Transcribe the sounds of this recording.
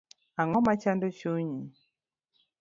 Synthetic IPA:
aŋɔmat͡ʃandot͡ʃuɲi

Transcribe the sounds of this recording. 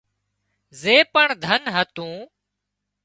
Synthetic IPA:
zeːpəɳd̪ʱənɦət̪ũː

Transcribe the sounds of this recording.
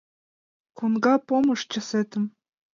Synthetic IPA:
kunɡɑpomɤ̆ʃt͡ɕɤ̆set̪ɘ̆m

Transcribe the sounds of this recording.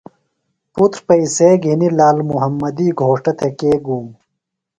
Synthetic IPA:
put̪ɾpɐiseːɡʱinilaːlmuɦɐmːɐd̪iːɡʱoːʂʈɐt̪ʰekeːɡuːm

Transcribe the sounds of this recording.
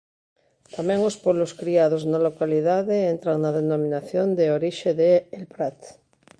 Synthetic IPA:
t̪amɛ̃ŋospɔβloskɾiaðoznalokaliðaðeent̪ɾaŋnaðenomĩnaθjond̪eoɾiʃeðeːlpɾat̪

